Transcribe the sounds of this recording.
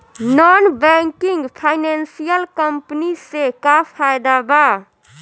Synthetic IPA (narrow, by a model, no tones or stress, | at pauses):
nɔnbɛŋkɪŋɡpʰaɪnɛnsijəlkəmpnisekapʰajd̪aba